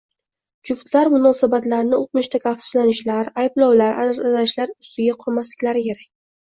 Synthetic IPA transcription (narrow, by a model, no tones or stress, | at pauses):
d͡ʒʊft̪laɾmʊnɒsabat̪laɾnɪoq̚mɪʃt̪ʰakʲʰaft̪ʊ̥zlanɪʃlaɾajblɒwlaɾʔa̰nsazaʃlaɾʊst̪ɪɡʲaqʰʊɾmaslɪkʲlaɾɪkʲʰe̞ɾakʲ